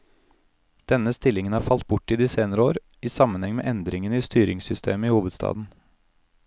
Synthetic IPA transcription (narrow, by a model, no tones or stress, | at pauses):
d̪̥ɛnəst̪ɪlɪŋənhɑːɾfɑlt̪̚bʊʈːiːd̪iːseːnəɾəoːɾ | iːsɑmənhɛŋmḛːʔɛnd̪ɾɪŋəniːst̪yːɾɪŋsʏst̪ʰeːməiːhuːʋəd̪st̪ɑ̰ːd̪n̩